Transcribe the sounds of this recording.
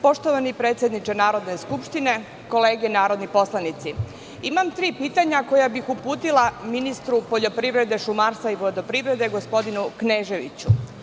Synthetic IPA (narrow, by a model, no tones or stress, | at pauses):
po̞ʃt̪oʋanipɾe̞ːt̪sʲje̞d̪nit͡ʃe̞naːɾo̞d̪ne̞skupʃt̪ine̞ | ko̞le̞ːɡenaːɾo̞d̪nipo̞slˠanit̪si | imamt̪ɾiːpiːt̪aɲako̞jabixupuːt̪ilˠaminist̪ɾupo̞ʎo̞pɾiʋɾe̞d̪e̞ʃumaɾst̪aiʋlˠad̪o̞pɾiʋɾe̞d̪e̞ɡo̞spo̞d̪inukneːʒe̞ʋḭt͡ɕṵ